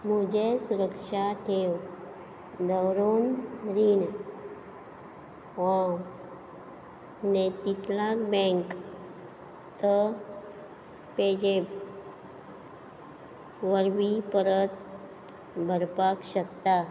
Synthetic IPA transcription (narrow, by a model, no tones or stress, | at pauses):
mud͡ʑesuɾəkʃaʈʰew | d̪əwɾonɾin | ɔ | net̪it̪lakbɛ̃ŋk | t̪ə | ped͡ʑe | ʋəɾʋipəɾət̪̚ | bʱəɾpakɕəkt̪a